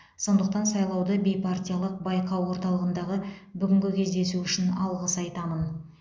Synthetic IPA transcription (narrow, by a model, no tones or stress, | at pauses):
so̞nd̪əq̚t̪ɑnsɑjlˠɑwd̪əbʲe̞jpʰart̪ʲijalˠəq̚bɑjqɑwwo̞ɾt̪ɑlˠəʁənd̪ɑʁəbʏɡʲɪŋɡʲɪkʲʰe̞zd̪e̞suʏʃɪnɑlˠʁəsɑjt̪ɑmən